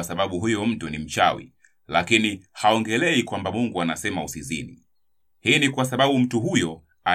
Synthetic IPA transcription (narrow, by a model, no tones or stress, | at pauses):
asaɓaɓuɦujɔm̩tunim̩t͡ʃa̰wḭ | lakinihaɔŋɡɛlɛikwambamuŋɡuanasɛmausizḭni | hiːnikwasaɓaɓum̩tuɦujɔ | a